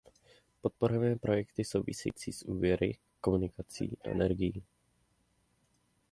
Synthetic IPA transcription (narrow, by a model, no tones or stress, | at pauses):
po̞t̪̚poɾovɛːpɾʔo̞jɛkt̪ɪso̞wvɪ̰sɛ̰jḭːt͡sḭːsʔuːvjɛɾʔɪ̰ | ko̞munɪkat͡sḭːʔa̰ʔɛ̰nɛɾɡɪjiː